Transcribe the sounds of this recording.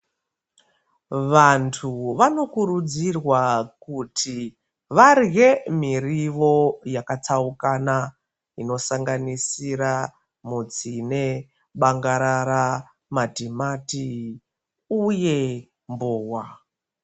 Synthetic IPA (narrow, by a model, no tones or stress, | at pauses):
ʋantʰuʋano̞kuɾud͡zirwakutʰi | ʋarɣe̞miriʋo̞jakat͡saukana | ino̞saŋɡanisira | mud͡zine̞ | ɓaŋɡaɾaɾa | madʱimati | uje̞ | mboːwa